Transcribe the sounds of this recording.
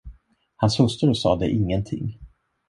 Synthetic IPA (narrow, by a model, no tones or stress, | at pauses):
hanshɵst̪əɾɔsɑ̰ːd̪ɛ̰ʔɪŋːənt̪ʰɪ̰ŋː